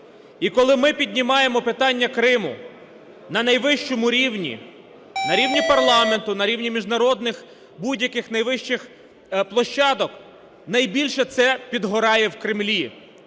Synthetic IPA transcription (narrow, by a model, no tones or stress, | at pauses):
ikɔlˠɪmɪpʲid̪ʲnʲimɑjemɔpɪt̪ɑnʲːɐkɾɪmʊ̰ | nɐnɐjʋɪʃt͡ʃɔmʊɾʲiwnʲḭ | nɐɾʲiwnʲipɐrlˠɑment̪ʊnɐɾʲiwnʲimʲiʒnɐɾɔd̪nɪx | budʲjɐkɪxnɐjʋɪʃt͡ʃɪx | plˠɔʃt͡ʃːɑd̪ɔk | nɐjbʲilʲʃɛt̪sɛpʲid̪ɦɔɾɑjɛwkɾɪmlʲi